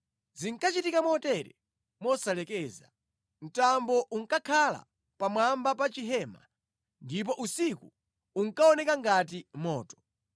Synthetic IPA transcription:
ziŋkat͡ʃitikamɔtɛɾɛ | mɔsalɛkɛːza | n̩tambɔʔuŋ̩kakʰala̰ | pamwambap̬at͡ʃiɦɛma̰ | ndip̬ɔʔusiku | uŋ̩kaɔnɛkaŋɡat̬imɔːtɔ̥

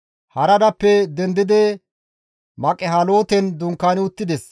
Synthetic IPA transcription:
hɐɾɐd̪ɐpːɛd̪ɛnd̪ɪd̪ɛ | mɐkʼɛɦɐlo̞ːt̪ɛnd̪ʊŋkːaːnɪʊt̪ːɪd̪ɛs

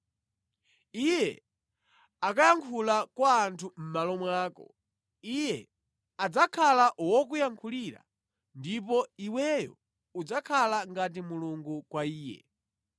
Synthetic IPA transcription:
ijɛ̰ | akajaŋkʰulakwaːntʰum̩malɔmwaːkɔ̰ | ijɛ | ad͡zakʰalaʔwɔk̬ujaŋkʰuliɾa̰ | ndipɔiwɛjɔ̰ | ud͡zakʰalaŋɡat̬imuluŋɡukwaiːjɛ̰

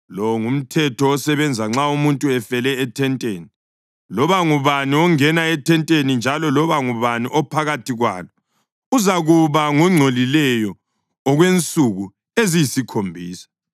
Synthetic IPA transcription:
lɔwŋum̩tʰɛtʰɔːsɛβɛnd͡zʱaŋ͡ǁaumuntʼuɛfɛlɛːtʰɛntʼeːni | lɔβaŋuβaniɔŋɛnaɛtʰɛntʼenind͡ʒʱalɔlɔβaŋuβaniʔɔpʰaɣatʰiɣwa̰ːlɔ | uzaɣuβaŋuŋ͡ǀʱolilɛjɔː | ɣwent͡sʼuɣu | ezijisikʰombʱiːsḁ

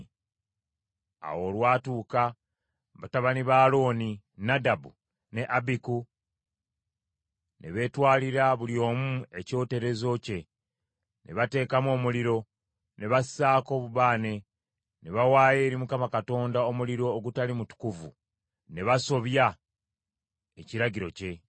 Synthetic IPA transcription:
a̰wo̞lwaːtuːka | βataβaniβaːlo̞ːni | nadabṵ | ne̞ʔabiku | ne̞βe̞ːtwaːliɾaβuljo̞ːmue̞co̞ːte̞ɾe̞zo̞ce̞ | nʔe̞̰βate̞ːkamo̞ːmuliɾo̞ | ne̞βasaːko̞ːβuβaːne̞ | ne̞βawaːje̞ɾimukamakato̞ːndaomuliɾo̞ːɡutalimutu̥kuvṵ | ne̞βaso̞βja | e̞ciɾaɟiɾo̞̰ce̞

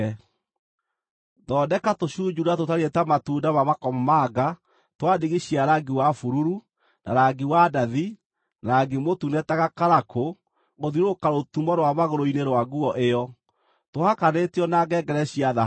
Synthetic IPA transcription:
ðɔdɛkatoɕud͡ʒuɾatotaɾietamatuːdamamakɔmɔmaɡa | twadiɣiɕiaɾaɡiwafuɾuɾu | na̰ɾaɡiwadaði | naɡemotunɛtaɣakaɾakʰo | ɣoðiɾokaɾotumɔɾwaβaɣoɾoineɾwaɡuɔʔejɔ | tohakaneteɔnaɡɛɡɛɾɛɕiaða

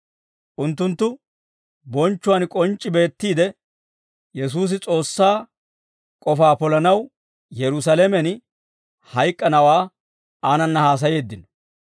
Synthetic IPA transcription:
ʔʊnt̪̬ːʊnt̪ːʊ | bɔnt͡ʃːʊwɐnkʼɔnt͡ʃʼːɪbe̞ːt̪ːiːd̪ɛ | jɛs̬uːs̬ɪt͡sʼo̞ːsːaː | kʼɔfaːpɔlɐnɐw | jɛɾʊs̬ɐlemɛn | hɐjkʼːɐnɐwaː | aːnɐnːɐhaːs̬ɐje̞ːd̪ːɪnɔ̥

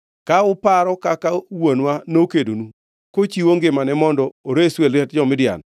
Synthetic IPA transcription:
kaʊpaɾɔkakawonwanokedonu | kot͡ʃiwoŋɡɪmanɛmɔndɔoɾeswelɛt̚d͡ʒɔmɪdja̰n

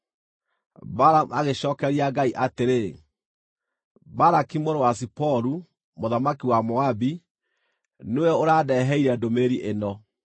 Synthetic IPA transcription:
baɾamaɣeɕɔːkɛɾiaɡaiʔateɾe | baɾakimoɾowas̬ipɔɾu | moðamakiwamɔabi | newɛoɾaːdɛɦɛiɾɛdomeɾiʔenɔ

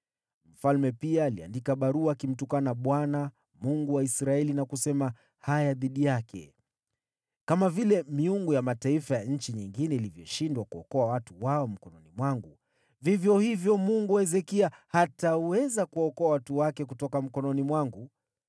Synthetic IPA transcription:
m̩falmɛpiaːlia̰ndikaɓaɾuakim̩tukanaɓwana | muŋɡuwaisɾaɛlinakusɛma | hajaðiɗijakʰɛ̰ | kamavilɛmiuŋɡujamataifajaɲ̩t͡ʃiɲiŋɡinɛilivjɔʃindwakuɔkɔawatuwaɔm̩kɔnɔnimwaŋɡu | vivjɔhivjɔmuŋɡuaɛzɛkiahatauwɛzakuaɔkɔawatuwakɛkutɔkam̩kɔnɔnimwaŋɡu

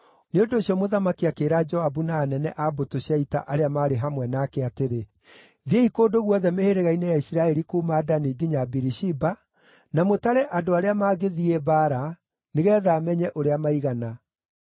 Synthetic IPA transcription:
neondoːɕiɔmoðamakiakeːɾad͡ʒɔabunaːnɛnɛʔabotoɕiaita̰ʔaɾeamaːɾeɦamwɛnakɛateɾe | ðeikoːdoɣwɔðɛmeheɾeɣainɛjaisiɾaɛɾikuːmaːdaniɡiɲabiɾiʃiba | namotaɾɛʔadoaɾeamaːɣeðiɛbaɾa | neɣɛːðaːmɛɲɛʔoɾeamaiɣana

